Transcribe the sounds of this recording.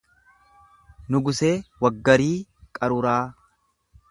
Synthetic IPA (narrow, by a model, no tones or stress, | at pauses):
nʊɡʊse̞ːwɐɡːɐɾiːkʼɐɾʊɾaː